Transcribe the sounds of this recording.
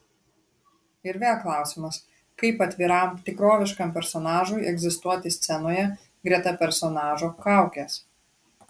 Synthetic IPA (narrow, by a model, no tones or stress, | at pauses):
ɪɾʋʲeːlˠklˠɑˑʊsʲɪmɐs | kɐɪpɐt̪ʲʋʲiːɾɐmt̪ʲɪkɾoːʋʲɪʃkɐmpʲɛɾsɔnɑːʒʊɪʔɛɡzʲɪst̪uɔt̪ʲɪsʲt̪sʲɛnoːjɛ | ɡɾʲiɛt̪ɐpʲɛɾsɔnɑːʒoːkɑˑʊkʲeːs